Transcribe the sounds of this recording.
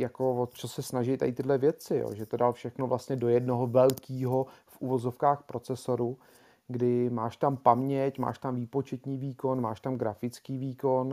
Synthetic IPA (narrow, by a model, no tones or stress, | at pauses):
jako̞vot̪t͡ʃosɛsnaʒɪjt̪a̰jɪt̪ɪdlɛvjɛt͡sɪjo̰ːʒɛt̪odalfʃɛxnovlast̪ɲɛdo̞jɛdnoɦovɛlkiːɦo̞fʔuvo̞zo̞fkaːxpɾo̞t͡sɛso̞ɾu | ɡdɪmaːʃt̪ampamɲɛcma̰ːʃt̪amviːpo̞t͡ʃɛt̪ɲiːviːko̞nma̰ːʃt̪amɡɾafɪt͡skiːviːko̞n